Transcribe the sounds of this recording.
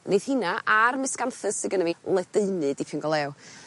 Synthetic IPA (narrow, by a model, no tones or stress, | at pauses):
neð̥hɪnaʔarmɨsɡ̥anθɨsɪɡənəmilˠɛdeɨnɨdipʰɪnɡɔlˠɛw